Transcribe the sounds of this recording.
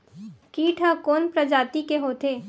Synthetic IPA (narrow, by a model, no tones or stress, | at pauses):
kiːʈʰəkoːnpɾɐd͡ʒaːt̪ikeɦoːt̪eː